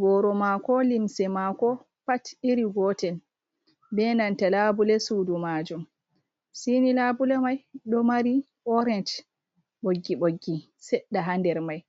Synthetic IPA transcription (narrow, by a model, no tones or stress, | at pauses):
bɔɾɔmakɔlimsɛmakɔ | patiɾiɡɔtɛl | bɛnantalabulɛsudumad͡ʒum | sinilabulɛmajɗɔmaɾi | ʔɔɾɛnt | ɓoɡːiɓoɡːi | sɛɗːaɦandɛɾmaj